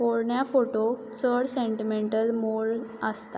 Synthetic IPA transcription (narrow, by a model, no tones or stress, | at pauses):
poɭɳjafoʈo | t͡səɽseɳʈimeɳʈəlmoɭəst̪a